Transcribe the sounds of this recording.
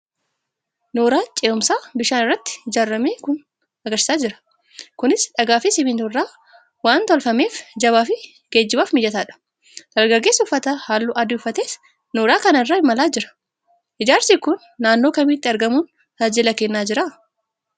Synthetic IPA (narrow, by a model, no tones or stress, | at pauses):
noːɾaːt͡ʃʼeːʊmsaːbɪʃaːnɪrːɐt̪ːɪ̥hɪd͡ʒaːrːɐmeːkʊn | ɐɡɐɾsɪ̥saːd͡ʒɪɾɐ̥ | kʊnɪsᶑɐɡaːfɪsɪbiːnt̪ʊrːaː | waːnt̪ɔlfɐme̞ːfd͡ʒɐβaːfɪ | ɡ̥eːd͡ʒːɪbaːfmɪjɐt̪aːᶑɐ̥ | d̪̥ɐlɡɐɡːe̞ːsʊfːɐt̪ahaːlːʊːʔɐd̪ɪʊfːɐt̪eːs | noːɾaːkɐnɐɪrːaːɪmɐlaːd͡ʒɪɾɐ̥ | hɪd͡ʒaːɾsiːkʊnːaːnːoːkɐmiːt̪ːɪɐɾɡɐmuːn | t̪aːd͡ʒɪlɐkenːaːd͡ʒɪɾaː